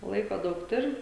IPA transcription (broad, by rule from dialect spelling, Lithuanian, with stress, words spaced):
ˈlˠɐɪkoː ˈdɐʊk ˈtʊrʲɪ